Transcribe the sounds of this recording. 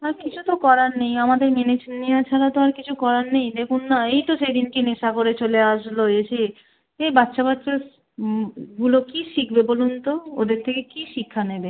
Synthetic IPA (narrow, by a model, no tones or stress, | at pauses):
aɾkit͡ɕʰut̪okɔɾaɾnejamad̪eɾmenet͡ɕʰniat͡ɕʰaɾat̪oaɾkit͡ɕʰukɔɾaɾnejd̪ekʰunːaejt̪oʃejd̪inkeneʃakoɾet͡ɕoleaʃloeʃe | ejbatːʃʰaβatːʃa | ɡulokiʃik̚ʰbebolunt̪oo̰d̪eɾt̪ʰekekiʃikʰːanebe